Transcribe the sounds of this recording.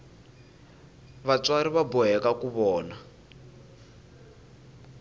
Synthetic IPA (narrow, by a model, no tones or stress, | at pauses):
βat͡swaɾiβabɔɦɛkakuβɔːna